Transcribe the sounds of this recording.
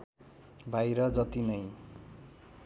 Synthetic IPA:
bajɾʌd͡zʌt̪inʌj

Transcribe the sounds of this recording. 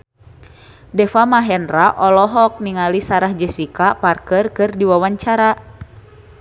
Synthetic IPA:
dɛfamaɦɛnraʔɔlɔɦɔk̚niŋalisaɾahd͡ʒɛsikaparkərkɨrdiwawaɲt͡ʃaɾa

